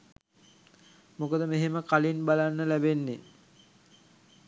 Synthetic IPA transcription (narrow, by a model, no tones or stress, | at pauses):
mokəd̪əmeɦeməkalinbalanːəlæbenːe